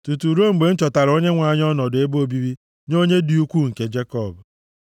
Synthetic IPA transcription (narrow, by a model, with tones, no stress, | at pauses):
tu˨tu˨ɾo˦ŋ͡m̩˨ɡ͡be˨n̩˦t͡ʃɔ˨ta˨ɾo˦ɲe˦ŋʷa˨˦˨ɲ˦ɔ˦nɔ˨de˦bo˦bi˦ɾi˦ | no˦ɲe˦di˨u˦kʷu˦ŋ̩˨ke˦d͡ʒe˦kɔ˨b